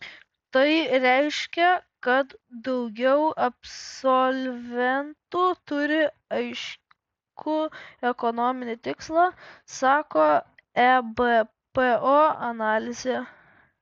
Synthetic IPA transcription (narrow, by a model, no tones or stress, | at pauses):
t̪ɐɪɾʲɛɪʃʲkʲɛkɐt̪d̪ɒʊɡʲɛʊɐpssɔlʲʋʲɛnt̪ut̪ʊɾʲɪ | ɐɪʃ | kʊɛkɔnoːmʲɪnʲɪt̪ʲɪkslˠɑsɑːkoː | ɛbe | peoːɐnɑːlʲɪzʲe